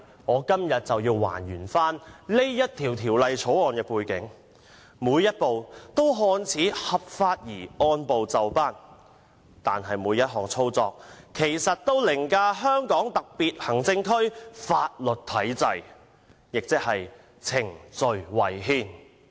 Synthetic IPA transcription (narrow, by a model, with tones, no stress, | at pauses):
ŋɔː˨˧kɐ˥mjɐ˨t̚t͡sɐ˨wjiː˧wwa̰ː˨˩njyː˨˩nfaː˥nle˥jjɐ˥t̚t̪ʰiː˨˩wt̪ʰiː˨˩wlɐ˨jt͡sʰo˨˥wɔː˨˧nkɛː˧puː˧jkɪ̰˨˥ŋ | muː˨˧jːɐ˥t̚po˨wt̪o˥wɦɔː˧nt͡sʰiː˨˥hɐ˨p̚faː˧t̚jiː˨˩ɔː˧npo˨wt͡sɐ˨wpaː˥n | t̪a̰ː˨nɦɐ˨jmuː˨˧jɐ˥t̚ɦɔː˨ŋt͡sʰo˥wt͡sɔː˧k̚kʰe˨˩jsɐ˨t̚t̪o˥wlɪ˨˩ŋkaː˧ɦœː˥ŋkɔː˨˥ŋt̪ɐ˨k̚piː˨t̚hɐ˨˩ŋt͡sɪ˧ŋkʰɵ˥ɥfaː˧t̚lɵ˨t̚t̪ʰɐ˨˥jt͡sɐ˨j | jɪ˨k̚t͡sɪ˥k̚hɐ˨j | t͡sʰɪ˨˩ŋt͡sɵ˨ɥwɐ˨˩jɦiː˥n